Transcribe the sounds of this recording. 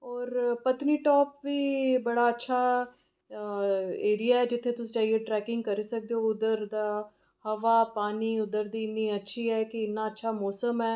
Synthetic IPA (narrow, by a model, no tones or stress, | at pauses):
ɔːɾpət̪niːʈɔːpʋiːbəɽaːətːʃʰaː | eːɾijaːɦɛːd͡ʒɪt̪ʰːeːt̪ʊst͡ʃaːɦieʈɾɛːkɪ̃ŋɡkəɾiːsək̚d̪eɦoʊd̪əɾd̪aː | həʋaːpaːniːʊd̪əɾd̪iːɪnːiːətːʃʰiːɦɛːkɪɪnːaːətːʃʰaːmɔːsəmɦɛː